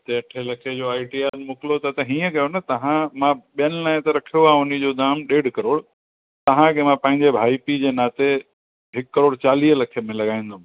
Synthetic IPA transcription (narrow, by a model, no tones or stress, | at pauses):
t̪eʈʰelɐkʰed͡ʑoːaːiʈiaːnmʊkɪlot̪ɐt̪ɐɦĩːə̃kɐjonɐt̪ɐɦãmãɓijənɪlaːɪ̃t̪ɐɾɐkʰijoaːʊnid͡ʑoːd̪aːmɗeːɖʱkɐɾoːɽ | t̪ɐɦãkʰemãpɐ̃ɦɪ̃ɲd͡ʑebʱaːipid͡ʑeːnaːt̪e | ɦɪkːɐɾoːɽt͡ɕaːliːɦlɐkʰemẽlɐɡaːĩːnd̪o